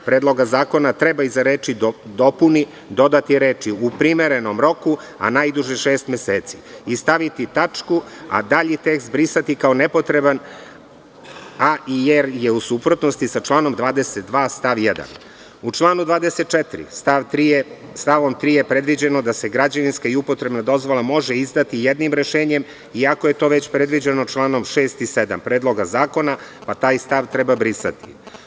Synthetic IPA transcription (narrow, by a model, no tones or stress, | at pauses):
pɾeːd̪lo̞ɡazaːko̞nat̪ɾebaizaɾeːt͡ʃid̪o̞puni | d̪o̞d̪at̪iɾeːt͡ʃiupɾimeɾeno̞mɾo̞ku | a̰najd̪uʒɛʃeːst̪mjeseːt̪si̥ist̪aʋit̪it̪at͡ʃkua̰d̪aʎit̪ekst̪̚bɾisat̪ikaonepo̞t̪ɾeban | aijeɾjeusupɾot̪nost̪isat͡ʃlˠaːno̞md̪ʋaːd̪eset̪̚d̪ʋaːst̪aʋjed̪a̰n | ut͡ʃlˠaːnud̪ʋaːd̪eset̪̚t͡ʃet̪iɾḭst̪aʋt̪ɾiest̪aʋo̞mt̪ɾiːjepɾed̪ʋid͡ʑeno̞d̪ase̞ɡɾad͡ʑaninskaiupo̞t̪ɾe̞bnad̪o̞zʋo̞lˠamo̞ʒeizd̪at̪ijed̪nimɾeʃe̞ːɲe̞m | iako̞je̞t̪o̞ʋet͡ɕpɾe̞d̪ʋid͡ʑenot͡ʃlˠaːno̞mʃe̞ːst̪ised̪a̰mpɾeːd̪lˠo̞ɡazaːko̞napat̪aːjst̪aʋt̪ɾebabɾisa̰t̪ḭ